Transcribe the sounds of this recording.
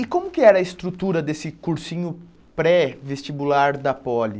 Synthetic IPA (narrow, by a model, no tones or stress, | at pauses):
ɪkõmʊkɪɛɾɐɪst̪ɾut̪uɾɐd̪esɪkuɾsĩɲʊ | pɾɛvest͡ʃibulaɾd̪ɐpɔlɪ